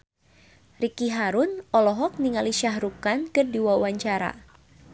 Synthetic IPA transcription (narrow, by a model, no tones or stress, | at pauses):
rikiɦaɾunʔɔlɔɦɔk̚niŋaliʃaɦɾukankɨrdiwauwaɲt͡ʃaɾa̰